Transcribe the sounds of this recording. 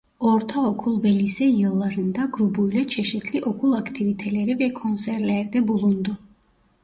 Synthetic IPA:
o̞ɾt̪ʰao̞kʰulˠvɛlʲisɛjɯlˠːaɾɯnd̪aɡɾubujlˠat͡ʃʰe̞ʃit̪ʰlʲiʔo̞kʰulˠakt̪ʰivit̪ʰelʲe̞ɾivɛkʰo̞nsæɾlʲæɾd̪ɛbulˠund̪ʊ

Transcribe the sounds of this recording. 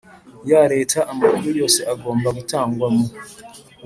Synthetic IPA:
jaɾe̞ːtʰaʔːmakuɾujo̞ːseʔaɡo̞ːmbaɡutaːŋɡwamo

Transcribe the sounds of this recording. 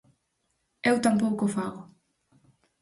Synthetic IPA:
ewt̪ampowkofaɣʊ

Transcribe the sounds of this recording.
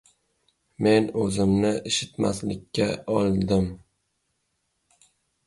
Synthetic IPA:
me̞nɵzɪmnɪʔɪʃɪt̪ma̰slɪkʲʰːaɒlˠd̪ɪm

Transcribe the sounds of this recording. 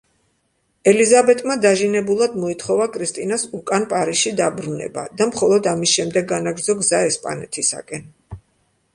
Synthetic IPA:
ɛlizabɛt̪ʼmad̪aʒinɛbulˠad̪mɔit̪ʰχɔvakʼʰɾist̪ʼinasukʼanpʼaɾisʃid̪abɾunɛ̰ba̰d̪amχɔlˠɔd̪amisʃɛmd̪ɛɡːanaɡɾd̪zɔɡzaɛspʼa̰nɛ̰t̪ʰisa̰kʼɛn

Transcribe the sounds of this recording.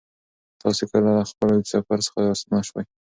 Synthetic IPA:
t̪ɑsekəlalaxpəlwisafaɾsə̥xaɑsnaʃwaj

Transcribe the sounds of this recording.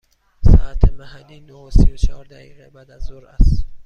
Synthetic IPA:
sɒ̰ʔæt̪ʰemæhælːiːnoosijot͡ʃʰehɒːɾd̪æɣḭʁɛbæːd̪æzːoɾæst̪

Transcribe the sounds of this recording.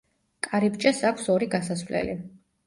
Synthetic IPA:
kʼaɾibt͡ʃʼasakʷʰsɔɾiɡasasvlɛ̰li

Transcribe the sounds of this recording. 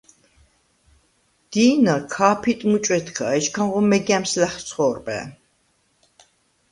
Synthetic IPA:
d̪̥iːnakʰaːpʰit̪ʼmut͡ʃʼwɛt̪ʰkʰaɛt͡ʃkʰãnʁɔmɛɡɛmslɛχt̪sʰχɔːɾbʼɛ̰

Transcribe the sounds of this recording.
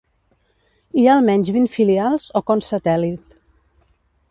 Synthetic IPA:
ialˠmɛɲʲzβinfilialˠz̥okonsət̪ɛlit̪

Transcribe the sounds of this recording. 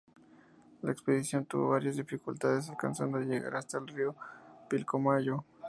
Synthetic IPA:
laekspeðisjo̞nt̪ṵβo̰βaɾjazðifikult̪aðes̬alkansand̪oʝeɣa̰ɾast̪aelriopilkomaʝo

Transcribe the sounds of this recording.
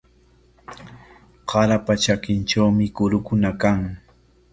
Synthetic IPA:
qɑɾapat͡ʃakɪnʈ͡ʂawmɪkʊɾʊkʊnakaŋ

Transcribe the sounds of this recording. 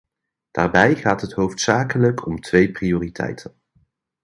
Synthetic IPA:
d̥aːɹbɛjχaːtɦətɦowftsaːkələkʰɔmtʰʋejprioːritʰɛ̰jtʰən

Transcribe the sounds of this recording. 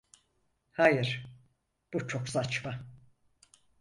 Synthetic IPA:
hajɯɾ̥ | b̥ut͡ʃʰo̞ksat͡ʃma

